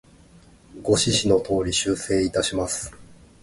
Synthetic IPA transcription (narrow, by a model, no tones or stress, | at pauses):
ɡo̞ɕiɕino̞t̪o̞ːɾʲiɕɨːse̞ːit̪aɕimasɨ̥